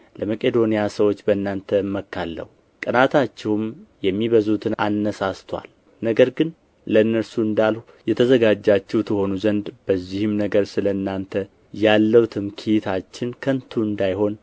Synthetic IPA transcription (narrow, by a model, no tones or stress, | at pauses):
ləməkʼe̞d̪o̞nijasəwo̞t͡ʃːbənːant̪ʰəmːəkːalːə̰hu | kʼənat̪ʰat͡ʃːɛhumjɛmːiβəzut̪ʰɨna̰nːəsast̪ʰwa̰l | nəɡəɾɡɨn | ləɨnːəɾsuɨnd̪alhujɛt̪ʰəzəɡad͡ʒːat͡ʃːɛwt̪ʰɨho̞nuzənd̪b̥əzːihɪmnəɡəɾsɨləɨnːant̪ʰə | jalːəwt̪ʰɨmkʰit̪ʰat͡ʃːɪnkʰənt̪ʰuɨnd̪ajɦo̞n